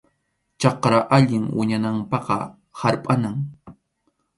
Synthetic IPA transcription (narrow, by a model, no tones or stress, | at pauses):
t͡ʃɑqɾaʔaʎɪŋwɪ̰ɲanampɑqɑ̰ | haɾpʼanaŋ